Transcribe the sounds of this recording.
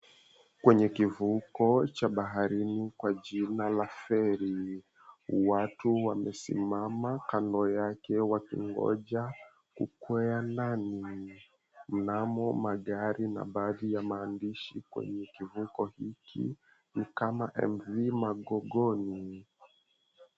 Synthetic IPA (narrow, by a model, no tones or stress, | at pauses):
kwɛɲɛkivukɔt͡ʃaɓaɦaɾinikwaʄinalafɛɾi | watuwamɛsḭmamakandɔjakɛwakḭŋɡɔ̰ʄa | kṵkwɛanani | m̩namɔmaɠaɾina̰ɓaːðijamaːndiʃikwɛ̰ɲɛkivukɔhikʰḭ | nikamaʔɛ̰mvimaɠɔɠɔni